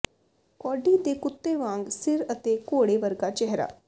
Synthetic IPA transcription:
kɔːɖiːd̪eːkʊt̪ːeːʋãːŋɡsɪɾət̪eːkoːɽeːʋəɾɡaːt͡ʃɛɦɾa̰ː

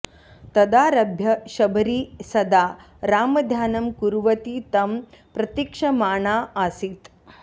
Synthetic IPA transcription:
t̪ɐd̪aːɾɐbʱjɐʃɐbʱɐɾiːsɐd̪aː | ɾaːmɐd̪ʱjaːnɐmkuɾuʋɐt̪iːt̪ɐm | pɾɐt̪jikʂɐmaːɳaːaːsit̪

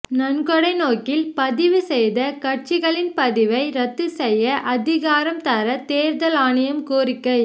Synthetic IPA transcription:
nɐnɡɔɽɐɪnoːkɪlpɐðɪʋɯsɛjðɐkɐʈ̚t͡ʃɪɣɐɭɪnpɐðɪʋɐɪɾɐt̪ːɯsɛjːɐʔɐðɪɣaːɾɐmt̪ɐɾɐt̪eːɾðɐlaːɳɯjɐmkuːrɪkːɐɪ

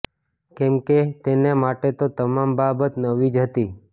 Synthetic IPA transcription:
kɛmket̪enemaʈet̪ot̪əmambabət̪nəʋid͡ʒɦət̪i

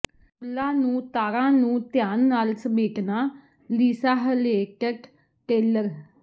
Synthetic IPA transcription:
plãːnũːt̪aːɾãːnũːt̪jaːnːaːlsəmeːʈnaː | liːsaːɦəleːkəʈ | ʈeːləɾ

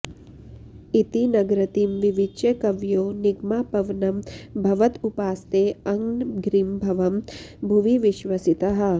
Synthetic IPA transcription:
it̪inɐɡɾɐt̪imʋiʋit͡ʃekɐʋjoːniɡmaːpɐʋnɐmbʱɐʋɐt̪upaːst̪eːɐŋnɡɾimbʱɐʋɐmbʱuʋiʋiʃʋɐsit̪ɐɦɐ̆

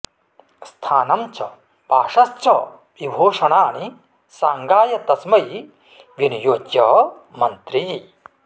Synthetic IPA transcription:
st̪ʰaːnɐmt͡ʃʰɐ̰ | baːʂɐst͡ʃʰɐ | ibʱoːʂɐɳaːɳi | saːŋɡaːjɐt̪ɐsmɐj | ʋjɐnijoːkjɐ | mɐnt̪ɾi

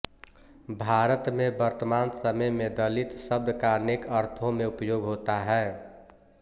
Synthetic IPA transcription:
bʱaɾət̪mebəɾt̪əmansəməjmed̪əlit̪səbd̪kanekəɾt̪ʰõmeupjoɡɦot̪aɦɛː

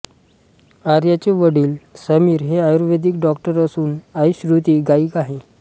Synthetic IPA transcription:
aɾjat͡ɕeʋəɽiːlsəmiːɾɦeajuɾʋed̪ikɖɔkʈəɾəsuːnajɕɾut̪iːɡaiːkaɦe

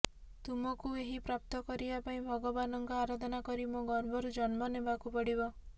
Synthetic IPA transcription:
t̪umɔkueɦipɾap̚t̪ɔkɔɾibapaĩbʱɔɡɔbanɔŋkɔaɾad̪ʱɔnakɔɾimoɡɔɾbʱɔɾud͡ʒɔnmɔnebakupɔɽiβɔ

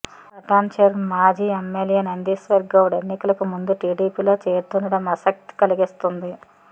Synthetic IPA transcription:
ɐʈaːnt͡ʃɐɾmaːd͡ʒiːemːeljenɐnd̪iːsʋɐɾɡːɐwuɽenːikɐlɐkumund̪uʈiːɖiːpiːlo̞ːt͡ʃeːɾt̪unɐɽɐmɐsɐk̚t̪i̥kɐliɡist̪und̪i

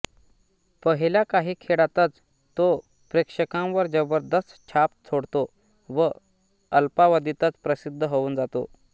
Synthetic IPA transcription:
pəɦiljakaɦiːkʰeɽat̪ət͡s | t̪ːo | pɾekʂəkãwʋəɾd͡ʑəbəɾd̪ʱəst̪t͡ɕʰap̪t͡sʰoɽt̪o | ʋə | əlpaʋəd̪ʱit̪ət͡spɾəsid̪ʱːəɦouːnd͡zat̪o̰

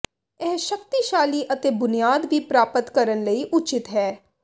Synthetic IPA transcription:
ɛːʃəkt̪iːʃaːliːʔət̪eːbʊnijaːd̪ʋiːpɾaːpət̪kəɾənləiːʔʊt͡ʃɪt̪ɦɛː

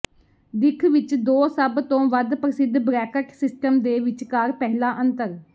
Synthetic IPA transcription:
d̪ɪkʰʋɪt͡ʃd̪oːsəbt̪õːʋəd̪pəɾəsɪd̪bɾɛːkəksɪsʈəmd̪eːʋɪt͡ʃkaːɾpɛːɦlaːʔənt̪əɾ

